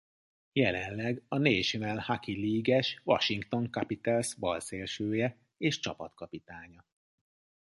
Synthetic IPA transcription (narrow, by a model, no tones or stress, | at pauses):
jɛlɛnlɛɡɒneːʃnɛlhakiliːɡɛʃʋɒ̰ʃiŋkt̪o̞ŋkɒpit̪ɛlsbɒlseːlʃøːjɛ | eːʃt͡ʃɒpɒt̪kɒpit̪aːɲɒ